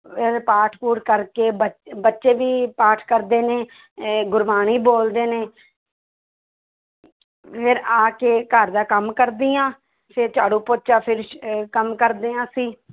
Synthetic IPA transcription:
pʰɪɾpaːʈʰpuːɾkəɾkeːbəbətːʃeːbiːpaːʈʰkəɾd̪eːneː | ɡʊɾbaːɽ̃iːboːld̪eːneː | pʰɪɾaːkeːkəɾd̪aːkəmkəɾd̪iːãː | pʰɪt͡ʃaːɽũːpoːt͡ʃaːpʰɪɾkəmkəɾd̪eːãːsiː

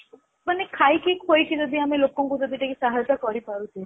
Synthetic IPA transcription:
manekʰajkikʰojk̪ʰilɔd̪ʱiamelokɔŋkud͡ʒɔd̪ʱiʈakisaɦajɔt̪akɔɾipaɾut̪ʰi

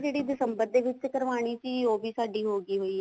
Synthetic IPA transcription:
d͡ʒeːɽid̪sɐmbəd̪ʱːeʋɪt͡ʃːkəɾʋaːɽ̃it͡ʃioːbʱisaːɖiɦoːɡiɦoːiɦ

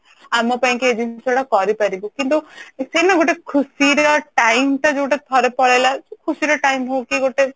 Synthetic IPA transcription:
amɔpaĩŋkied͡ʒ̪ʱinsɔɽakɔɾipaɾibɔkint̪usenaɡoʈekʰusiɾɔʈajmʈad͡ʒeɡoʈet̪ʰɔɾepɔɭalasekʰusiɾɔʈajmɦowkiɡoʈe

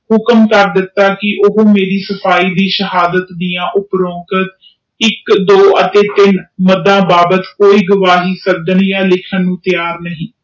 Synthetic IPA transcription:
hʊkəmkəɾd̪ɪt̪ːaːkɪʔʊɦõːmeːɾiːsəpʰaːiːd̪iːʃəɦaːd̪ət̪d̪ijãːʔʊpɾõːkət̪̚ | ɪkd̪oːʔət̪eːt̪ɪnməd̪ãːbaːbət̪koːiːɡʊʋaːɦiːsəd̪ənjãːlɪkʰənːũːt̪ɪjaːɾnəɦĩː

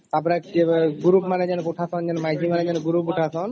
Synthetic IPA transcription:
t̪ap̬ɔɾaeɡuɾupmaned͡ʑanokuʈʰasɔnd͡ʑanomajd͡ʑʱimaned͡ʑanoɡuɾupuʈʰasɔn

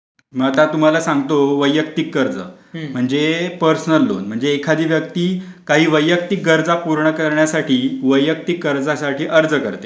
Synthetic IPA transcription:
məɡat̪at̪um̤alasãŋɡt̪oʋəjːək̚t̪ikːəɾd͡zə̰ | m̤əɳd͡zepəɾsnəlːo̰nm̤əɳd͡zeːkʰad̪iːʋjəkt̪iː | kaɦiːʋəjːək̚t̪ik̚ɡəɾd͡zapuɾɳəkəɾɳjasaʈʰiːʋəjək̚t̪ikːəɾd͡zasaʈʰiːʔəɾd͡zəkəɾt̪e

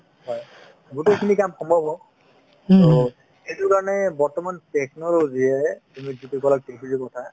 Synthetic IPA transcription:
hɔj | ɡutekʰinikamkʰɔmbʱɔbɔ | tɔ | ejtukaɹɔnɛbɔɹtɔmanteknɔlɔzijɛtumizitukɔlak̚tekʰizibɔtʰa

